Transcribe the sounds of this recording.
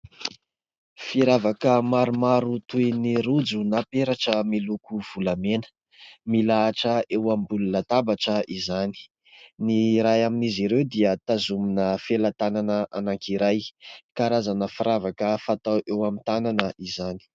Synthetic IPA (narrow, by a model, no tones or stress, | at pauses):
fiɾavakəmaɾumaɾut̪ujniɾud͡zunapeɾaʈ͡ʂəmilukuv̥ulamenə̥ | milaːʈ͡ʂəewambulunət̪abaʈ͡ʂəizani̥ | niɾajaminiziɾewd̪iət̪azuminəfelat̪ananəʔanaŋkiɾajkaɾazanəfiɾavakəfat̪awʔewamit̪ananəʔizani̥